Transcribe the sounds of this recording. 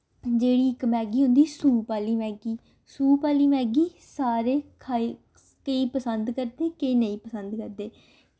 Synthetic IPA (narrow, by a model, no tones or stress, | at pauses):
d͡ʒeːɽiːɪkmɛːɡiːɦʊ̃nd̪iːsuːpaːliːmɛːɡiː | suːpaːliːmɛːɡiː | saːɾeːkʰa | kəiːpəsənd̪kəɾd̪eːkeiːnəĩːpəsənd̪kəɾd̪eː